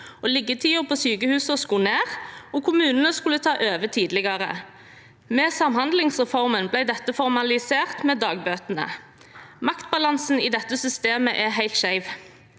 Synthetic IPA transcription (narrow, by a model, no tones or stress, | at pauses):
oːlɪɡət̪ʰiːʊpʰoːsyːkəhʉːsəɔskuːneːʁɔːkʰʊmʉːnənəskʉlət̪ʰɑːʔøːʋət̪ʰiːd̪lɪɡɑʁə̰ | mɛːsɑmhɑnd̪lɪŋsʁɛfɔʁmənblæɪd̪ɛt̪ːəfɔʁmɑlɪseːʁt̪meːd̪ɑːɡ̚bøːt̪ənə̰ | mɑkt̪̚bɑlɑnsn̩iːd̪ɛt̪ːəsʏst̪eːməʔɛɦæɪlt̪ʃæɪʋ